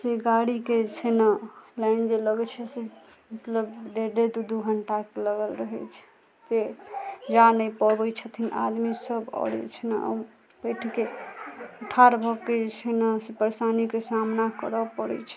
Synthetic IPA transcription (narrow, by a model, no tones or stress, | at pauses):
seɡaɽiket͡ʃʰenalaɪnd͡ʒeləɡət͡ʃʰɛse | mət̪ləbd̪eɖed̪ud̪uɡʱəɳʈakeləɡəlɾəɦɛt͡ʃʰ | d͡ʒed͡ʒanəjpɔbəjt͡ʃʰət̪ʰina̰d̪misəbɔ̰ɽḭt͡ʃʰəna̰ | bəjʈʰke | əʈʰaɾbʱɔkːed͡ʒt͡ʃʰənasepəɾesanikesamnakəɾəpəɽɛ̰t͡ʃʰɛ̥